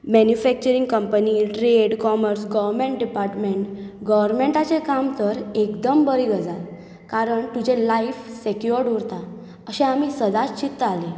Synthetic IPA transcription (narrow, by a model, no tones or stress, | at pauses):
mɛnjufɛk̚t͡ɕəɾiŋɡkəmpəniʈɾeɽkɔməɾsɡəʋəɾmẽɳʈ̚ɖipaɾʈmeɳʈɡəʋəɾmeɳʈat͡sekamt̪əɾekd̪əmbəɾiɡəd͡za | kaɾəɳt̪ud͡ʑẽlaifsɛkjoɾɽoɾt̪a | əɕẽamisəd̪at͡ɕit̪ːəale